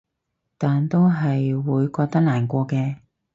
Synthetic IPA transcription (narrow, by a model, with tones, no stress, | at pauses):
t̪aː˨nt̪o˥wɦɐ˨jwuː˨˧jkɔː˧k̚t̪ɐ˥k̚laː˨˩nkʷɔː˧kɛː˧